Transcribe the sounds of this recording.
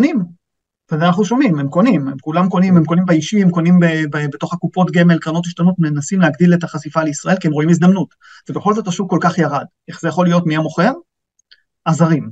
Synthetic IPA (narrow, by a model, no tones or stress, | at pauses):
nim | venaχnuʃo̞mimemko̞nimemkulamko̞nimemko̞nimbaiʃiemkonimbebebeto̞χakupo̞tɡemelkʁano̞t̬iʃtanotme̞nasimlehaɡdiletaχasifaleisʁɐʔe̞lkiemʁo̞imizd̪amnut | vebeχo̞lzo̞taʃuvko̞lkaχjaʁadʔe̞χzejaχo̞lijo̞tmiamo̞χe̞ʁ | azaʁim